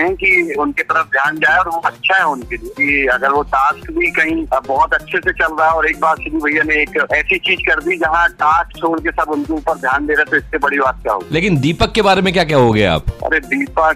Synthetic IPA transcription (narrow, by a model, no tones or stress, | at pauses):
ɦɛ̃kiʊnket̪ɐɾəfd̪ʱjaːnd͡ʒaːeɔːɾʋoɐtːʃʰaɦɛʊnkeliekiɐɡəɾʋoʈaːskbʱikɐɦĩbɔɦʊt̪ɐtːʃʰeset͡ʃɐlɾaɦɛɔːɾeːk̚baːɾsebibʱɐijːanẽeːkɛːsit͡ʃiːzkɐɾd̪id͡ʒɐɦãʈaːkt͡ʃʰoːɽkesɐbʊnkeuːpəɾd̪ʱjaːnd̪eːɾaɛt̪oɪsːebɐɽibaːt̪̚kʲja̰ɦo̰ːɡileːkɪnd̪iːpəkːebaːɾemẽkjaːk̬jaɦoɡɐea̰ːpɐ̰ɾed̪iːpə